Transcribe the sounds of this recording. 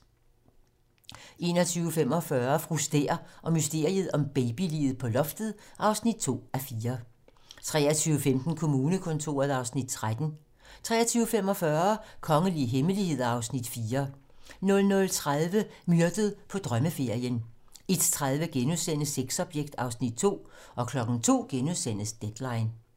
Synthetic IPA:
ʔe̝̰ːnɒt͡sʰyːʊəfem̰ɒ̽fɶɐfʁusd̥ḛːɐʔɒ̽mysd̥e̝ɐ̰ið̞̩ˠɒ̽mb̥ɛɪb̥ilḭːð̩ˠpʰɒ̽lɒ̽fd̥ð̞̩ˠʔɑ̈ʊsnid̥̚t͡sʰo̝̰ːæfiːɐ | t͡sʰʁɛ̰ːɐt͡sʰyːʊəfemd̥n̩kʰo̝muːnəkʰo̽nt͡sʰo̝̰ːɐð̞̩ˠɑ̈ʊsnid̥̚t͡sʰʁad̥n̩ | t͡sʰʁɛ̰ːɐt͡sʰyːʊəfem̰ɒ̽fɶɐkʰɒ̽ŋəliəɦeməlihe̝ð̞̰ˠɑ̈ʊsnid̥fiːɐ | nɔ̽lnɔ̽lt͡sʰʁað̞ˠʋəmyɐd̥əð̞̩ˠpʰɒ̽d̥ʁɶməfe̝ɐ̰jən | e̝d̥t͡sʰʁað̞ˠʋəɡ̥enuðˠsen̰̩seɡ̥sɒ̽b̥jeɡ̥̚d̥ɑ̈ʊsnid̥̚t͡sʰo̝̰ː | ʔɒ̽kʰlɒ̽ɡ̥n̩t͡sʰo̝̰ːɡ̥enuðˠsen̰əsd̥ed̥lɑ̈ɪn

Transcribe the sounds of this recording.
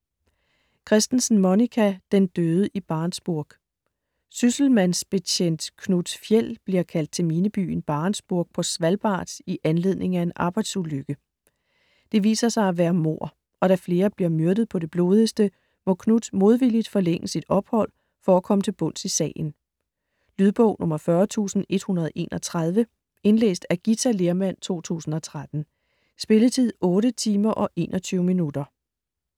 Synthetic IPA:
kʰʁɛsd̥n̩sn̩monikʰæd̥end̥øːð̞ˠəʔib̥ɑ̈ːnsb̥uɐɡ̥ | sysl̩mænsb̥e̝t͡ɕʰen̰d̥kʰnud̥fjel̰b̥liɐkʰæl̰d̥̚t͡sʰe̝lmiːnəb̥y̰ːn̩b̥ɑ̈ːnsb̥uɐɡ̥̚pʰɒ̽sʋælb̥ɑ̰̈ːd̥iʔænle̝ð̰ˠne̝ŋæe̝nʔɑ̈ːb̥ɑ̈ɪd̥suløɡ̥ə | d̥e̝ʋḭːsɐsɑ̈ɪæʋæːɐmo̝ɐ̰ | ɒ̽ɾ̥æfle̝ːɐb̥liɐmyɐd̥əð̞̩ˠpʰɒ̽ɾ̥e̝b̥lo̝ːð̞ˠəsd̥ə | mɔ̽kʰnud̥mo̝ð̞ˠʋilid̥fɒ̽leŋ̰əsid̥ɒ̽b̥hɒ̽l̰ | fɒækʰɒ̽mət͡sʰe̝lb̥ɔ̽n̰sisɛ̰ːn̩ | lyðˠb̥ɔ̰ʊ̰nɔ̽mɐfɶɐt͡sʰṵːsn̩e̝d̥hunɐð̞̩ˠʔe̝̰ːnɒt͡sʰʁað̞ˠʋə | e̝nlḛːsd̥æɡ̥it͡sʰæle̝ɐmæn̰t͡sʰo̝̰ːt͡sʰṵːsn̩ɒ̽t͡sʰʁad̥n̩ | sb̥e̝lət͡sʰið̰ˠɔ̽ːɾət͡sʰiːmɐʔɒ̽ʔe̝̰ːnʔɒt͡sʰyʊəminudɐ

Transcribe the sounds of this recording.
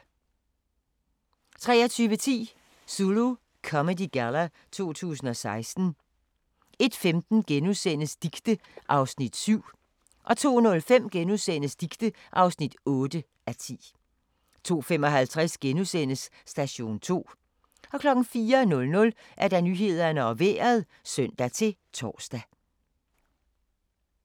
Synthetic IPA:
t͡sʰʁɛ̰ːɐt͡sʰyːʋət͡sʰḭː | sulo | kʰɒ̽mədiɡ̥ælɐ | t͡sʰo̝̰ːt͡sʰṵːsn̩ɒ̽sɑ̈ɪsd̥n̩ | e̝d̥femd̥n̩ɡ̥enusen̰əsd̥iɡ̥d̥əʔɑ̈ʊsnid̥syʊ̰ | ʔɒ̽t͡sʰo̝̰ːnɔ̽lfem̰ɡ̥enuðˠsen̰əsd̥iɡ̥d̥ə | ʔɑ̈ʊsnid̥ɔ̽ːd̥ə | ʔæt͡sʰḭː | t͡sʰo̝̰ːfem̰ɒ̽ɦælt͡sʰʁasɡ̥enusen̰əsː | d̥æɕo̝̰ːnt͡sʰo̝̰ː | ɒ̽kʰlɒ̽ɡ̥n̩fiːɐnɔ̽lnɔ̽l | ʔæɐd̥æ̈nyɦe̝ð̞̰ˠɐnəɒ̽ʋḛːɐð̞ˠ | sœn̰d̥æt͡sʰe̝t͡sʰɒ̰ːsd̥æ

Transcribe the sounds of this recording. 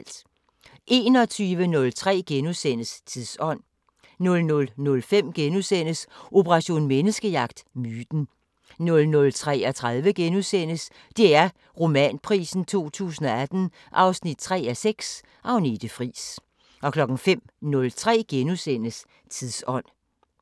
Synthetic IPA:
ld̥ | ʔe̝ːnɒ̽t͡sʰyːʋənɔ̽lt͡sʰʁɛ̰ːɡ̥enusen̰əst͡sʰiðˠsɒ̽n̰ | nɔ̽lnɔ̽lnɔ̽lfem̰ɡ̥enusen̰əsʔo̝pʰəʁɑ̈ɕo̝̰ːnmenəsɡ̥əjɑ̈ɡ̥d̥myːd̥n̩ | nɔ̽lnɔ̽lt͡sʰʁɛ̰ːɒt͡sʰʁaðˠʋəɡ̥enusen̰əs | d̥e̝æɐ | ʁo̝mɛ̰npʰʁḭːsn̩t͡sʰo̝̰ːt͡sʰṵːsn̩ɒ̽æd̥n̩ | ʔɑ̈ʊsnid̥̚t͡sʰʁɛ̰ːæseɡ̥s | ʔɑʊne̝d̥əfʁḭːs | ʔɒ̽kʰlɒ̽ɡ̥ŋ̩fem̰nɔ̽lt͡sʰʁɛ̰ːɡ̥enusen̰əs | t͡sʰiðˠsɒ̽n̰

